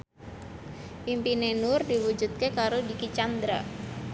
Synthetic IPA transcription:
pimpinenʊrdiwud͡ʒut̪̚kekaɾodikit͡ʃand̪ɾa

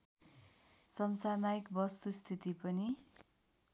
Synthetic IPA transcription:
sʌmsamajikbʌst̪ust̪ʰit̪ipʌni

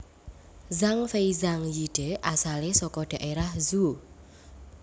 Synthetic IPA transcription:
zaŋfejzaŋjiɖ̥e̤ʔasalesɔkɔɖ̥a̤ʔeɾahzu

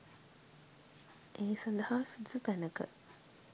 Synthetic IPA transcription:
ʔeːsand̪ɐhaːsud̪ut̪ænəkə̰

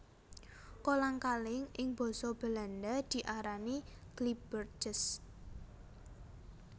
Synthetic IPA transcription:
kolaŋkalɪŋɪŋb̥ɔ̤sɔb̥ə̤land̪ad̪̥i̤ʔaɾaniɡ̥lib̥ərd͡ʒəs

